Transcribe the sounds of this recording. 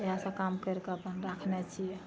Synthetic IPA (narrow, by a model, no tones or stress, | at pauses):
eɦasə̃kamkəɾkeəpənɾakʰnɛt͡ʃʰijɛ